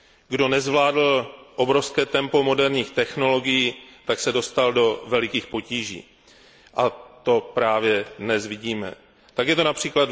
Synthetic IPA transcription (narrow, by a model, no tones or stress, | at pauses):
ɡdo̞nɛzvlaːdl̩ʔo̞bɾo̞fskɛːt̪ɛmpo̞mo̞dɛɾɲiːxt̪ɛxno̞lo̞ɡɪjiːt̪aksɛdo̞st̪aldo̞vɛlɪkiːxpo̞ciːʒḭː | ʔat̪o̞pɾaːvjɛdnɛzvɪɟiːmɛ̰ | t̪akjɛt̪o̞napr̝̥iːklad̪